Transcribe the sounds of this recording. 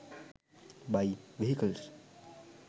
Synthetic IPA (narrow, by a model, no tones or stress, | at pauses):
bajʋiɦikəls